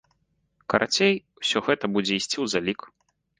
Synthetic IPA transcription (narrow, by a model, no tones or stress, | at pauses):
kɐɾʔat͡sʲejwsʲɔɣɛt̪ɐbud͡zʲɛisʲt͡sʲiwzalʲik